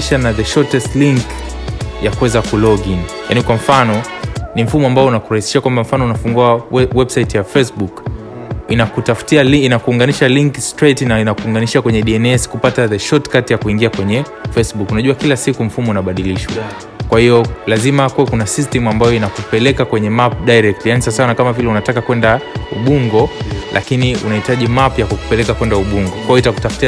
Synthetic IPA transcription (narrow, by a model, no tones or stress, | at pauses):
ʃanaðɛʃɔtɛstliŋk | jakuwɛzakulɔɡinja̰nikwam̩fanɔnim̩fumɔambaɔunakuɾahisi̥ʃakwambam̩fanɔunafuŋɡuawɛbsaitjafɛsbuk | inakutafu̥tialinakuːŋɡaniʃaliŋkstɾɛtinainakuːŋɡaniʃakwɛɲɛɗiɛnɛskupataðɛʃɔtkatjakuiŋɡiakwɛɲɛ | fɛsɓukunaʄuakilasikum̩fumɔunaɓaɗiliʃwa̰ | kwahijɔlazimakuwakunasistɛmuambajɔinakupɛlɛkakwɛɲɛmap̚ɗajɾɛk̚tlijanisasaanakamavilɛunatakakwɛndauɓuŋɡɔlʔa̰kiniṵnahitaʄimapjakuku̥pɛlɛkakwɛndauɓuŋɡɔkwajɔitaku̥tafu̥tia